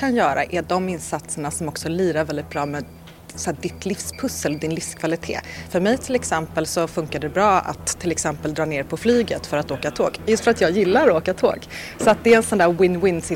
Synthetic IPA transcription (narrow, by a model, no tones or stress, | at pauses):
anjœːɾa̰ʔæɖɔmɪnsat̪səɳasɔmɔksɔlyːɾaɾvɛld̪ɪt̪̚bɾɑːmɛ | sɔæːd̪ɪt̪ʰlɪfspʰɵsːəld̪ɪnlɪfskʰvalɪt̪ʰḛːfœɾmɛjt̪ʰɪlɛksɛmpəlsɔfɵŋkaɖɛbɾɑːa̰t̪ʰːɪlɛksɛmpəld̪ɾɑːneːɾpʰɔflyːɡət̪fœɾat̪oːkat̪ʰoːkjɵst̪fœɾat̪jɑːjɪlːaɾoːkat̪ʰo̰ːɡ | sɔat̪̚d̪ɛɛɛnsɔnd̪æːɾwɪnwɪnsɪ